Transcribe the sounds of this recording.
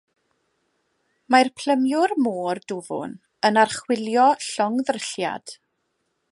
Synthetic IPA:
majrpʰl̥əmjʊrmoːrdʊvʊ̰n | ənarχwɪlˠjɔɬɔŋðrəɬja̰d̥

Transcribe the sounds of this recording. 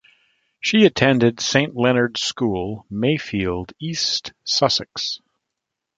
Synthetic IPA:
ʃiɨtʰɛ̃ndɨdsẽɪ̃nʔlɛnə˞d̥skulˠmeɪfilˠdistsʌsɨks

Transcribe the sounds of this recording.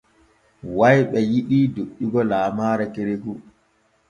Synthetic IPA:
wajɓɛjiɗiːdoɗːiɡɔlaːmaːɾɛkeɾeku

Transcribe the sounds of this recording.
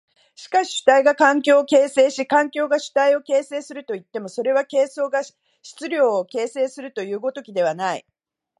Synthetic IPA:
ɕi̥kaɕi̥ɕɨ̥t̪aiɡakãŋk̬ʲo̞ːke̞ːse̞ːɕikãŋkʲo̞ːɡaɕɨ̥t̪aio̞ke̞ːse̞ːsɨɾɯ̟t̪o̞it̪ːe̞mo̞so̞ɾe̞β̞ake̞ːso̞ːɡa | ɕi̥t͡sɨɾʲo̞ːke̞ːse̞ːsɨɾɯ̟t̪o̞jɯ̟ːɡo̞t̪o̞kʲid̪e̞β̞anaḭ

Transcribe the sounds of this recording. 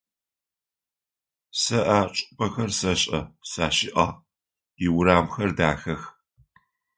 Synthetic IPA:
sɐʔaːt͡ʃʼɪpʰɐxɐrsɐɕʼɐ̰saːʃɪʔɐ̰ | iwʊɾaːmxɐrdaːxɐx

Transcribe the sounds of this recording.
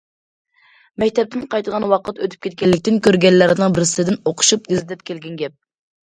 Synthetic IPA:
mɛkʲt̪ʰɛp̚t̪ʰɪnqʰɑjt̪ʁɑnwɑqʰət̪øt̪ʰy̥p̚kʲet̪̚kʲɛlːɪk̚ʲt̪ɪnkʲʰøɾɡʲɛnːæɾnɨŋbɪɾsɪd̪ɪnoqʰʊ̥ʃupjizɪt̪ɪp̚kʲʰelɡʲɛnɡʲɛp̚

